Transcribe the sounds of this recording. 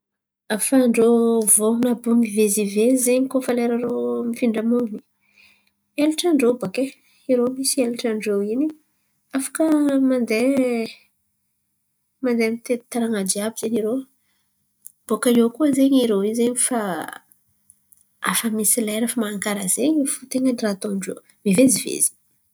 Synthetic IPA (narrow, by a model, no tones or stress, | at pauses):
afaɳɖ͡ʐovonabunivezivezeɲkofaleɾaɾomifiɳɖ͡ʐamuni̥ | eluʈ͡ʂaɳɖ͡ʐoboke | iɾomisieluʈ͡ʂaɳɖ͡ʐowini | afḁkəmand̪e | mand̪emit̪et̪aɾaŋad͡ʒiabiz̥eɲiɾo | b̥okaokuəzeɲiɾowizeɲifa | a̰famisileɾafamaːŋkaɾəz̥eɲifut̪eŋənirat̪oɳɖ͡ʐo̰ | mivezivḛzi̥